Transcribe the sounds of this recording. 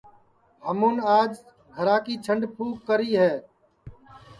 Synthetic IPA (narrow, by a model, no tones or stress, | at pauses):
həmũːnaːd͡ʒ | ɡʱəɾaːkiːt͡ʃʰəɳɖpʰuːkkːəɾiːɦɛː